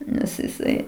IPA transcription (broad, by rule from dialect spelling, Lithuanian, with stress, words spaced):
ˈnʲɛs jɪˈsɐɪ